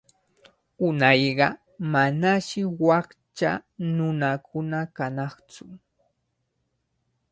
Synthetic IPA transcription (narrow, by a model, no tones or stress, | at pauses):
ʊnɑjɢɑ | manaʃɪwɑχt͡ʃa̰nʊnakʰʊnakanɑχt͡sʊ